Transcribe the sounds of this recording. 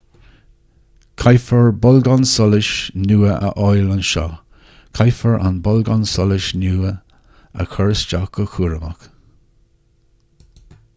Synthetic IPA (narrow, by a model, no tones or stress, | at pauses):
kʰajfəɹbɔlɡɔnsɔlɪʃnuːəʔə̰ʔɔjlanʃɔ̰ː | kʰajfəɹa̰nbɔlɡɔnsɔlɪʃnuːə | ə̰kʰɔɹəst͡ʃakəxʰuːɹəmək